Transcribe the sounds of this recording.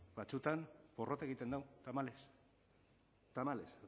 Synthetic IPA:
bat͡sut̪anpo̞ro̞t̪aeɣit̪e̞nd̪awt̪amales | t̪amales

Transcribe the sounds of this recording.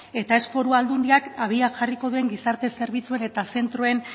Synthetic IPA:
e̞t̪ae̞spo̞ɾuald̪und̪iakaβ̞iaʝariko̞ðue̞ŋɡisaɾt̪e̞se̞ɾβit͡sue̞ne̞t̪ase̞nt̪ɾue̞n

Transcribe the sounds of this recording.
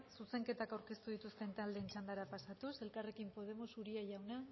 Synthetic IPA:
suse̞ŋke̞t̪akawɾke̞st̪uð̞it̪ust̪e̞nt̪ald̪eːnt͡ʃand̪aɾapasat̪use̞lkare̞kimpo̞ð̞e̞mosuɾiaʝawna

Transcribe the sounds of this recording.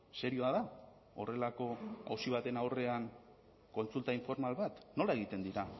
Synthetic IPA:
se̞ɾioaða | o̞re̞lako̞a̰wsiβ̞at̪e̞nawre̞aŋ | ko̞nt͡sult̪aiɱfo̞ɾmalβat̪no̞lae̞ɣ̞it̪e̞nd̪iɾa

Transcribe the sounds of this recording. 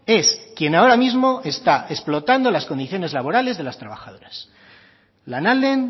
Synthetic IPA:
e̞skje̞nao̞ɾamizmo̞e̞st̪aʔe̞splo̞t̪and̪o̞lasko̞nd̪iθjo̞ne̞zlaβo̞ɾale̞zðe̞last̪ɾaβ̞axað̞o̞ɾas | lanalen

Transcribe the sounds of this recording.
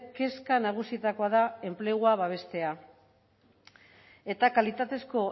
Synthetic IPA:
ke̞skanaɣ̞usiet̪ako̞aðae̞mple̞ɣuaβaβ̞e̞st̪e̞a | e̞t̪akalit̪at̪e̞sko̞

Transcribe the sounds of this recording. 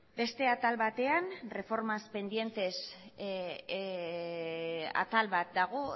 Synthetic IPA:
be̞st̪e̞at̪alβat̪e̞anre̞fo̞ɾmaspe̞nd̪je̞nt̪e̞s | a̰t̪alβat̪̚d̪aɣ̞o̞

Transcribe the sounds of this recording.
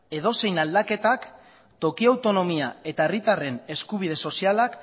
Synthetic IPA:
e̞ð̞o̞se̞jnald̪ake̞t̪ak | t̪o̞kiawt̪o̞no̞miae̞t̪ae̞rit̪are̞ne̞skuβ̞ið̞e̞so̞sialak

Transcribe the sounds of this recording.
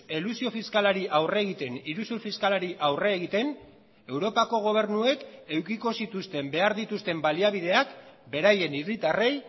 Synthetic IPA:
elusio̞fiskalaɾiʔawre̞ːɣit̪e̞niɾusuɾfiskalaɾiʔawre̞ːɣ̞it̪e̞n | e̞wɾo̞pako̞ɣ̞o̞β̞e̞ɾnue̞ke̞wkiko̞sit̪ust̪e̞mbe̞aɾðit̪ust̪e̞mbaliaβiðe̞akbe̞ɾaje̞nirit̪are̞j

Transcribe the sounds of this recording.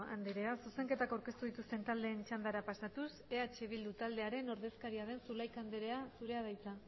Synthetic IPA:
and̪eɾe̞asuse̞ŋke̞t̪akawɾke̞st̪uðit̪ust̪e̞nt̪ald̪e̞ːnt͡ʃand̪aɾapasat̪use̞at͡ʃe̞β̞ild̪ut̪ald̪e̞aɾe̞no̞ɾð̞e̞skaɾiaðe̞nsulajkand̪eɾe̞asuɾe̞að̞ajt͡sa

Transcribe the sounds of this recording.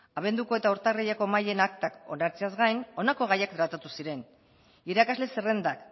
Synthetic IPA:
aβ̞e̞nd̪uko̞e̞t̪aoɾt̪arejako̞maje̞nak̚t̪ako̞̰naɾt͡seazɡajno̞nako̞ɣajakd̪ɾat̪at̪usiɾe̞n | iɾakazle̞sere̞nd̪ak

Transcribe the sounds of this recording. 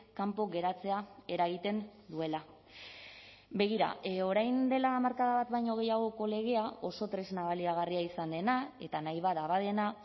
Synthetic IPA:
kampo̞ɣe̞ɾat͡se̞ae̞ɾaɣ̞it̪e̞nd̪ue̞la | βe̞ɣ̞iɾa̰o̞ɾajnd̪e̞lamaɾkaðaβat̪bajɲo̞ɣ̞e̞jaɣ̞o̞ko̞le̞ɣ̞e̞ao̞so̞t̪ɾe̞znaβaliaɣ̞ariaisand̪e̞nae̞t̪anajβaðaβað̞e̞na

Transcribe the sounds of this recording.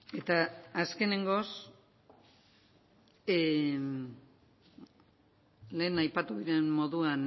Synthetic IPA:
e̞t̪aːske̞ne̞ŋɡo̞s | le̞ːnajpat̪uðiɾe̞mmo̞ðuan

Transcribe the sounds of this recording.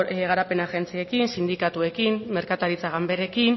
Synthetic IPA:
eɣ̞aɾape̞naɣe̞nt͡sie̞kinsind̪ikat̪ue̞kimme̞ɾkat̪aɾit͡saɣambe̞ɾe̞kin

